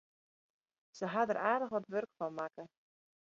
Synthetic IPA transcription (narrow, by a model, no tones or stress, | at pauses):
səɦadərʔaːrdəχʋɔtʋørkfɔnmakə